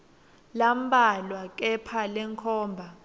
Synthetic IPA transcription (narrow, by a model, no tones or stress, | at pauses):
lambalwak̬ʼɛpʰalɛŋkʰɔːmbʱa